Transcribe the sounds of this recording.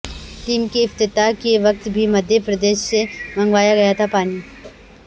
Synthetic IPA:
ʈ̪iːmkeɪft̪ɪt̪akeʋɐk̚t̪bʱimɐd̪ʱjepɾɐd̪eːʃsemɐ̃ŋɡʋaːjaɡɐjat̪ʰapaːniː

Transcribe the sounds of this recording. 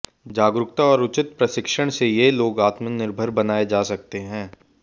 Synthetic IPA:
d͡ʒaːɡɾʊkt̪aɔːɾʊt͡ʃɪt̪̚pɾɐʃɪkʃəɽ̃sejeloːɡaːt̪mənɪɾbʱəɾbɐnaːed͡ʒaːsɐk̚t̪eɦɛ̃ː

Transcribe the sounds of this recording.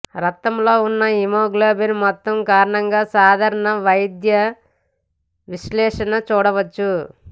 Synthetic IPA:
ɾɐt̪ːɐmlo̞ːunːɐimoːɡloːbinimɔt̪ːɐmkaːɾɐɳɐŋɡaːsaːd̪ʱaːɾɐɳɐʋɐjd̪jɐ | ʋiʃlɛːʂɐnɐt͡ʃuːɽɐʋɐt͡ʃːu

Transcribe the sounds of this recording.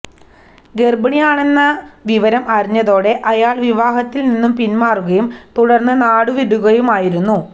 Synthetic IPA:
ɡe̞rbɐɳijaːɳe̞nːɐʋiʋɐɾɐmɐriɲːɐðo̞ːɽe̞ʔɐjaːɭʋiʋaːhɐt̪ːilninːumpinmaːruɣɐjumt̪uɽɐrnːɨnaːɽuʋiɽuɣɐjumaːjiɾunːu

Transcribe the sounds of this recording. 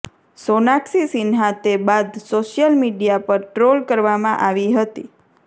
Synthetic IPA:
sonaksisinɦat̪ebad̪soʃjəlmiɖijapəɾʈɾolkəɾʋamãʔaʋiɦət̪ḭ

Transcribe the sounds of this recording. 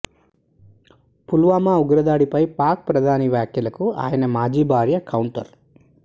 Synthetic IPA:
pulʋaːmaːuɡɾɐd̪aːɽipɐjpaːk̚pɾɐd̪ʱaːniʋjaːkjɐlɐkua̰ːjɐnɐmaːd͡ʒiːbʱaːɾjɐkɐwɳʈɐ̰ɾ

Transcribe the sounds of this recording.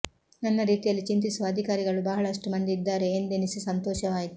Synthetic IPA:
nɐnːɐɾiːt̪ijɐlːit͡ʃint̪̬isuʋɐːd̪ʱikaːɾiɡɐɭubɐɦɐɭɐʂʈumɐnd̪iid̪ːaːɾe̞ːnd̪enisisɐnt̪ɔːʃɐʋaːjit̪u

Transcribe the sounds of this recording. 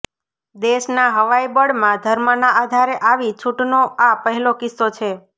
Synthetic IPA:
d̪eʃnaɦəʋaibəɽmãd̪ʱəɾmənaʔad̪ʱaɾeʔaʋit͡ʃʰuʈnoapəɦɛlokɪsːot͡ʃʰe

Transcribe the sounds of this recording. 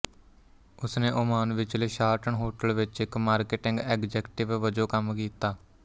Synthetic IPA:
ʊsneːʔʊmaːnʋɪt͡ʃleːʃaːɾʈəɳɦoːʈəlʋɪt͡ʃɪkmaːɾkeːʈɪ̃ŋɡɛːkd͡ʒɛːkʈɪʋʋəd͡ʒoːkəmkiːt̪aː

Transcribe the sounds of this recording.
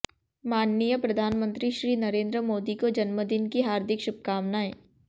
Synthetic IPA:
maːnːijəpɾɐd̪ʱaːnmə̃nt̪ɾiʃɾiːnɐɾẽːnd̪ɾəmoːd̪ikod͡ʒɐnməd̪ɪnkiɦaːɾd̪ʱɪkʃʊb̚kaːmnaɦɛ̰ː

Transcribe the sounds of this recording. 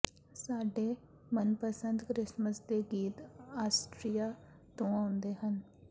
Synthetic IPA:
saːɖeː | mənpəsənd̪kɾɪsməsd̪eːɡiːt̪aːsʈɾijaː | t̪õːãːnd̪eːɦən

